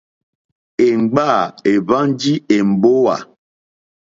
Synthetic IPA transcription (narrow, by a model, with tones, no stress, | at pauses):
e˨ŋ͡m̩˨ɡ͡ba˦˨e˨ba˦n˦d͡ʒi˦e˨m̩˨bo˦wa̰˨